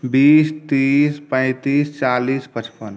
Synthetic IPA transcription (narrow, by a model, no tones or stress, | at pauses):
biːst̪iːspə̃ɪt̪iːst͡ʃaːliːspət͡ʃpən